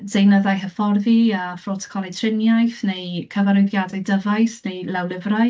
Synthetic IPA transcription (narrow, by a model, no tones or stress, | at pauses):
d̥ejnəðajɦəfɔrðiəfrotʰɔ̥kʰɔlˠitʰr̥ɪnjajθnejkʰəvaɾɔjðjadajdəvajsnejlɛwlɪvraj